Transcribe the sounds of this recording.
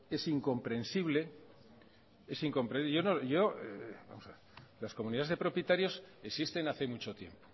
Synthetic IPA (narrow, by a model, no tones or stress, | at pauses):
e̞siŋko̞mpɾe̞nsiβle̞ | e̞siŋko̞mpɾesʝo̞noʝo̞eba̰mosa | lasko̞muniðaezðe̞pɾo̞pjet̪aɾjo̞sesist̪e̞naθe̞mut͡ʃo̞t̪je̞̰mpo